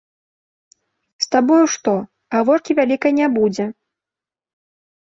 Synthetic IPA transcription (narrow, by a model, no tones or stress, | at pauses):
st̪abɔjuʂt̪ɔ | ɣavɔrkʲivʲalʲikɐjnʲɛbud͡zʲɛ